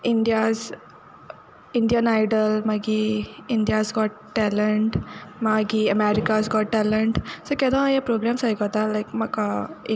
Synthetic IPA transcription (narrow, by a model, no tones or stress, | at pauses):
iɳɖjaz | iɳɖjənajɖəlmaɡiiɳɖjazɡɔʈːɛləɳʈmaɡiəmɛɾikazɡɔʈʈɛləɳʈsəkɛd̪ãjapɾoɡɾamsaikət̪alajkmakae